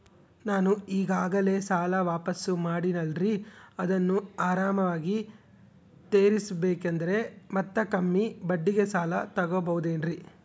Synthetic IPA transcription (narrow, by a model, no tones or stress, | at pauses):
naːnuiːɡaːɡɐle̞ːsaːlɐʋaːpɐsumaːɽinɐlɾiɐd̪ɐnːuaːɾaːmɐʋaːɡi | t̪e̞ːɾisbeːkend̪ɐɾe̞mɐt̪ːɐkɐmːibɐɖːiɡesaːlɐt̪ɐɡoːbɐʋud̪eːnɾi